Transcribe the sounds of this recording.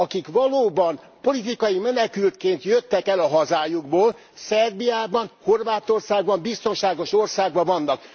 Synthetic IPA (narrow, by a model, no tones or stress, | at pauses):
ɒkikʋɒloːbɒn | po̞lit̪ikɒjimɛnɛkylt̪keːnt̪jøt̪ːɛkɛlɒɦɒzaːjuɡboːl | sɛrbijaːbɒnho̞rvaːt̪o̞rsaːɡ̚bɒmbist̪o̞nʃaːɡo̞ʃo̞rsaːɡ̚bɒvɒnːɒk